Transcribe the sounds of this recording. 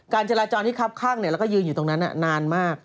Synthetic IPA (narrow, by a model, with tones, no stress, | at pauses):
kaː˧nt͡ɕa˧ɾaː˧t͡ɕɔː˧nt̪i˥˩kʰa˦˥˩p̚kʰaː˥˩ŋni˥˩ɾɛ˦˥kːɔ˥˩jɯː˧nju˨˩t̪o˧ŋna˦˥nʔa̰˨˩naː˧nmaː˥˩k̚